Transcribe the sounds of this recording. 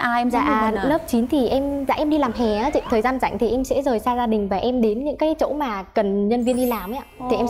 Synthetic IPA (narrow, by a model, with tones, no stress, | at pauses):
aː˧˨˩lə˦˥p̚t͡ɕi˨˦nt̪ʰi˨˩ʔɛ˧mza̰ː˧˨ʔɛ˧mɗi˧laː˨˩mɦɛ˨˩aː˨˦t͡ɕḭ˧˨ŋt̪ʰəː˨˩jzaː˧nza̰˧˨jŋ̟t̪ʰi˨˩ʔɛ˧msɛ̰˧˥zəː˨˩jsaː˧zaː˧ɗï˨˩ŋ̟vaː˨˩ʔɛ˧mɗe˨˦nɲɨ̰˧˥ŋkaː˨˦jt͡ɕo̰˧˥maː˨˩kə˨˩nɲə˧nvi˧ənɗi˧laː˨˩mʔaː˨˧˦t̪ʰi˨˩ʔɛ˧m